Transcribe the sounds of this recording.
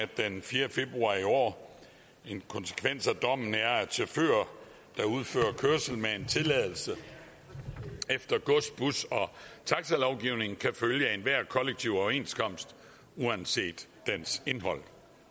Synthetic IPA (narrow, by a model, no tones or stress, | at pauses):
æd̥enfiːɐfe̝b̥ʁuɑ̰̈ːiɒ̰ː | enkʰɒ̽nsə̥kʰʋen̰sæd̥ɒ̽m̰n̩æɐæ̥sʰeføːɐ | d̥ɑ̈uð̞ˠfø̰ːɐɐkʰøɐsl̩mee̝nt͡sʰe̝lɛðˠl̩sə | efd̥ɐɡ̥ɔsb̥usɒ̽t͡sʰɑ̈ɡ̥sælɒʊɡ̥iʊne̝ŋn̩kʰæføljəenʋæɐ̰kʰɒ̽leɡ̥̚t͡sʰiʊɒʊɐe̝̰ːnskʰɒ̽m̰sd̥ | uænse̝̰ːd̥ːense̝nɦɒ̽l̰